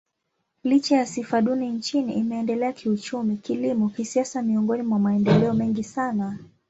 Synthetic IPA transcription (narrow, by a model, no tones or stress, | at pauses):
lit͡ʃajasifaɗunint͡ʃiniʔimɛːndɛlɛakʰiut͡ʃumikilimɔkisiasamiɔŋɡɔnimwamaɛndɛlɛɔmɛŋɡisana